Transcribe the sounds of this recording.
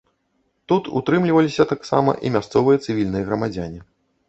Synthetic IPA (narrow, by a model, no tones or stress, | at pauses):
t̪ut̪ṵt̪ɾɨmlʲivɐlʲisʲɐt̪aksa̰mɐ̰ʔḭmʲast̪sɔvɨjɐt̪sɨvʲilʲnɨjɐɣɾɐmad͡zʲanʲi